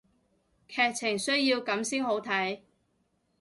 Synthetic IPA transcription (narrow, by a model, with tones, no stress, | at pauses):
kʰɛː˧k̚t͡sʰɪ˨˩ŋsɵ˥ɥjiː˧wkɐ˨˥msiː˥nho˨˥wt̪ʰɐ˨˥j